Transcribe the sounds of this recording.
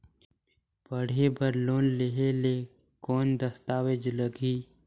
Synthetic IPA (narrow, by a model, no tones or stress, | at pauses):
pəɽ̤ebəɾloːnleɦeleː | kɔːnd̪əst̪aːwed͡ʒləɡiː